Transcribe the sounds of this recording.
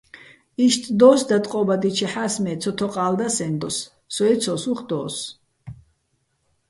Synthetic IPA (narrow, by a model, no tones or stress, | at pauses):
iʃt̪ʼd̪ɔːsd̪at̪ʼqʼɔbad̪it͡ʃʰɛħasmɛːt̪t͡sʰɔt̪ʰɔqʼaːld̪asɛnd̪ɔsː | ɔɛt̪t͡sʰɔsuχd̪ɔːs